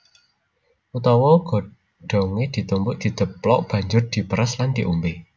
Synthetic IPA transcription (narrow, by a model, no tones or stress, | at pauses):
ʔut̪ɔwɔɡ̥ɔ̤ | ɖ̥ɔ̤ŋed̪̥i̤t̪umbʊʔd̪̥i̤d̪̥ə̤plɔʔb̥ä̤ɲd͡ʒʊrd̪̥i̤pəɾəsland̪̥i̤ʔumbe